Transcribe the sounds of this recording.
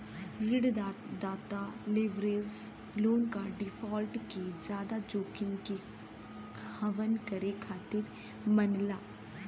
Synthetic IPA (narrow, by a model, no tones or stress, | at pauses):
ɾɪɖ̪ | d̪aːt̪aleʋɾeːz | loːnkaɖɪfʰɔːlʈkezjaːd̪ad͡ʒoːkɪ̃ŋke | əʋənkəɾekʰaːt̪ɪɾ | mənlaː